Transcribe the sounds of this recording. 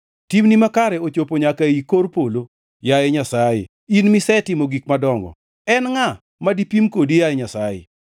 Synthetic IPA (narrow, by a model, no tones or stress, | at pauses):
timnimakaɾɛot͡ʃopoɲakaikoɾpolo | jajɛɲasajɪ̰ | inmisɛtɪmoɡik̚madɔŋɡɔ̰ | ɛnŋa | madipimkodijajɛɲasajɪ̰